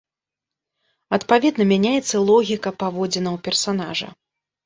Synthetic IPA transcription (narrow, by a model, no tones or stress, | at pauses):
ɐt̪pavʲɛd̪nɐmʲanʲajɛt̪sːɐlˠɔɣʲikɐpavɔd͡zʲɛnɐwpʲɛrsanaʐɐ̰